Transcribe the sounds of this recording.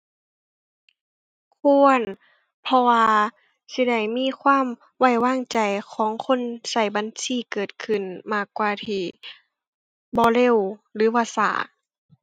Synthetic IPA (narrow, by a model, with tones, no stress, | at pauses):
kʰu˧˥ə˨n | pʰɔ˧waː˧ | si˧˦da˥˩jmiː˧˥˨kʰwaː˧˥˨m | wa˧˩jwaː˧˥˨ŋt͡ɕa˨˩jkʰɔː˨˦ŋkʰo˧˥˨nsa˧˩jba˧˦nsiː˧˩˨kɤː˨˩t̪̚kʰɯ˨˩nmaː˧˩kːwaː˧t̪ʰiː˧˩ | bɔː˧˦le˧˥˨wlɯː˨˦bɔː˧sa̰ː˧˩˦